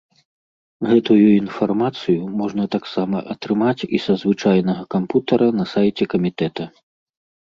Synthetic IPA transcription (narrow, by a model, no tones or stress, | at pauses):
ɣɛt̪ujuinfarmat̪sɨjumɔʐnɐt̪aksamɐʔɐt̪ɾɨmat͡sʲisɐzvɨt͡ʂajnɐɣɐkamput̪ɐɾʔɐnɐsajt͡sʲɛkɐmʲit̪ɛt̪ɐ